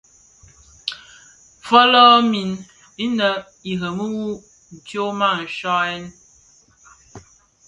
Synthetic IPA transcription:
fɔ˦lɔ˦mi˨n | i˦nə˨ | i˨ɦə˨mə˦wu˦ | n̩˨tjo˦ma˦˨n̩˨ʃɔ˦ɛ˦n

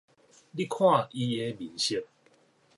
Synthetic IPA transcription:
li˦kʰwã˥˨ʔi˧e˧˦bi˨˦ɕi˦t̚

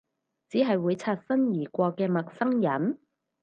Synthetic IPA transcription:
t͡siː˨˥ɦɐ˨jwuː˨˧jt͡sʰaː˧t̚fɐ˥njiː˨˩kʷɔː˧kɛː˧mɐ˨k̚sɐ˥ŋjɐ˨˥n

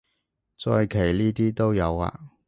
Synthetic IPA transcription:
t͡sɔː˧jkʰe˨˩jliː˥t̪iː˥t̪o˥wjɐ˨˧wa̰ː˧

